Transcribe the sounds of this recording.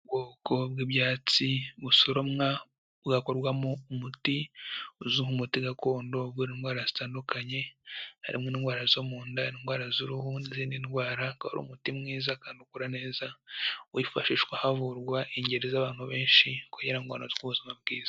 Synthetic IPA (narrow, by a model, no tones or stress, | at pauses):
bɡoːko̞b̚ɡibjaːt͡siβusoɾomŋa | βɡako̞ɾɡwamoumutiuzuhumutiɡako̞ːndo̞bɡuɾinɡwaːɾazitaːndukʰaɲe̞ha̰ɾḭmŋeninɡwaːɾazomuːndaninɡwaːɾazuɾuhuniziːndinwaːɾaka̰ho̰ɾṵmutimŋiːzakaːndukuɾane̞ːzawifaʃiʃwahavuɾɡwaʔiɲɟe̞ɾezaβaːn̥huβe̞ːnʃikuɲeɾaiŋwa̰ːnoziɡuβuzimab̚ɡiːz̥ḁ